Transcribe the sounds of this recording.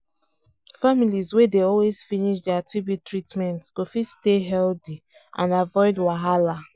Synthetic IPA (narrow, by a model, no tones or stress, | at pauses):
familizwedeɔlwez̥finiʃdɛatʰɹibjutɹitmɛ̃ntkofisteɦɛldi | ʔã̰navɔɪdwaɦala